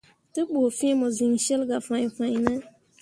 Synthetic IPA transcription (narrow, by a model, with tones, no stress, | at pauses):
tɨ˦ɓo˨fĩ˦mo˨zi˨ŋ˨ʃe˦lɡa˨fã˨jfã˨ɲ˨nə˦